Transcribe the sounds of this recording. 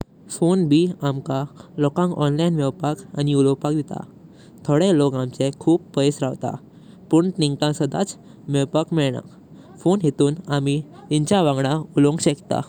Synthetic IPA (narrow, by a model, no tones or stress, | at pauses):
fonbʱiamkalɔkãŋkɔ̰nlajnʋɛwpaka̰niulopak̚d̪it̪a̰ | t̪ʰoɽelɔkamt͡sekʰuːppəjsɾaʋt̪a̰ | pəɳniŋɡt̪ãsəd̪a̰t͡s | mewpakmɛɭɳã̰ | fonɦet̪uːnamit̪iɲt͡ɕaʋãŋɡɽaulõŋɡɕekt̪a̰